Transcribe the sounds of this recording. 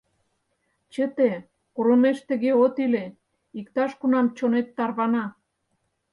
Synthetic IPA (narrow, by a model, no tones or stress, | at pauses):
t͡ɕə̆t̪e | kuɾomeʃt̪ə̆ɣeot̪ile | ikt̪ɑʃkunɑmt͡ɕonet̪ːɑrβɑnɑ